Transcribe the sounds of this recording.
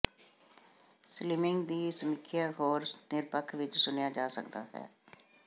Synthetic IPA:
slɪmɪŋɡd̪iːsəmɪkʰːɪjaːɦoːɾnɪɾpəkʰʋɪt͡ʃsʊnejaːd͡ʒaːsə̰kd̪a̰ːɦɛ̰ː

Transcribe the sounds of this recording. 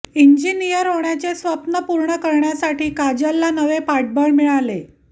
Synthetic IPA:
iɲd͡ʑinijəɾɦoɳjat͡sesʋəpnəpuɾɳəkəɾɳjasaʈiːkad͡ʑalːanəʋepaʈ̚bəɳmiɭale

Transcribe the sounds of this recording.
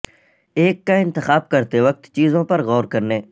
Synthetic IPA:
eːkːaɪ̃nt̪ɪxaːb̚kəɾt̪eʋək̚t̪t͡ʃiːzõpɐɾɣɔːɾkəɾneː

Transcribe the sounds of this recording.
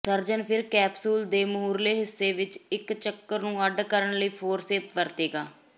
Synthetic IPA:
t̪əɾd͡ʒənpʰɪɾkɛːbsuːld̪eːmʊuːɾleːɦɪsːeːʋɪt͡ʃɪkt͡ʃəkːəɾnũːəɖkəɾəɳləiːpʰoːɾseːpʋəɾt̪eːɡaː

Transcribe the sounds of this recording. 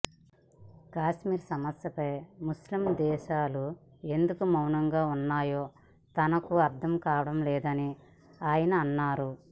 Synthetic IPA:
kaːʃmiːɾsɐmɐsjɐpɐjmuslimd̪ɛːʃaːlu | e̞nd̪ukumɐwnɐŋɡaːunːaːjoː | t̪ɐnɐkuɐɾt̪ʰɐmkaːʋɐɽɐmlɛːd̪ɐni | aːjɐnɐːnːaːɾu

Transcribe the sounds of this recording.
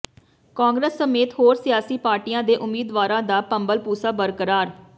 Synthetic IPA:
kãːŋɡɾəsːəmeːt̪ɦoːɾsɪjaːsiːpaːɾʈiːjãːd̪eːʔʊmiːd̪ʋaːɾãːd̪aːpəmbəlpuːsaːbəɾkəɾaːɾ

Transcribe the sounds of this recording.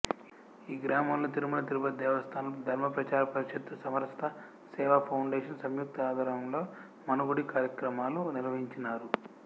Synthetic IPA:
iːɡɾaːmɐmlot̪iɾimunɐt̪̬iɾubɐd̪ɛːʋɐst̪ʰaːnɐlɐd̪ʱɐɾmɐpɾɐt͡ʃaːɾɐpɐɾiʃɐt̪ːɐsɐmɐɾst̪ʰɐ | sɛːʋaːpʰɐwɳɖeːʂɐnsɐmjuk̚t̪aːd̪ʱaːɾɐmlo̞ː | mɐnɐɡuɽikaːɾjɐkɾɐmaːlunilɐʋɐɦiɲt͡ʃinaːɾu

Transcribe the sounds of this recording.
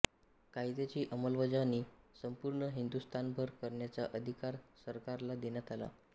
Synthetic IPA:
kajd̪et͡ɕiːʔəməlʋəd͡zaniːsəmpuɾɳəɦind̪ust̪ʰanbʱəɾkəɾɳjat͡saʔəd̪ʱikaɾsəɾkaɾlad̪enjat̪ala̰

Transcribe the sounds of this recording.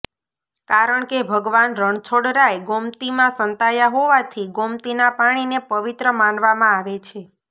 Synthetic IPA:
kaɾəɳkebʱəɡʋanɾəɳt͡ʃʰoɽɾajɡomt̪imãsənt̪ajaɦoʋat̪ʰiɡomt̪inapaɽ̃inepəʋit̪ɾəmanʋamãaʋet͡ʃʰe

